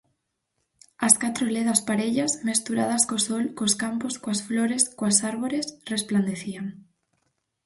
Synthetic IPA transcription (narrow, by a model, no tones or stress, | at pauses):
askat̪ɾoleðɐspaɾeʎasmest̪uɾa̰ð̞ɐskosɔlkoskamposkoasfloɾeskoasaɾβoɾesrespland̪eθiaŋ